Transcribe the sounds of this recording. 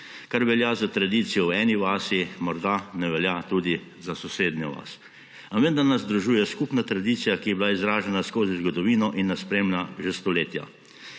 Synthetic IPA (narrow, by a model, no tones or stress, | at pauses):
kaɾʋɛljazat̪ɾad̪iːt̪sijɔwɛːniʋaːsimɔɾd̪anɛʋɛljat̪uːd̪i | zasɔseːd̪nɛʋa̰s | aʋend̪anazd̪ɾuʒuːjɛskuːpnat̪ɾad̪iːt̪sijakijɛblaizɾaːʒɛnaskoːzizɡɔd̪ɔʋiːnɔʔinːaspɾeːmnaʒest̪ɔleːt̪ja̰